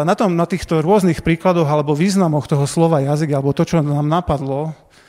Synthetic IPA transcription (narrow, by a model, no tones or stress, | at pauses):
nat̪ɔmnat̪iːxt̪ɔɾʊɔznixpɾiːklad̪ɔɣalɛbɔʋiːznamɔxt̪ɔɦɔslɔʋajaziɡalɛbɔt̪ɔt͡ʃɔnaːmnapad̪lɔ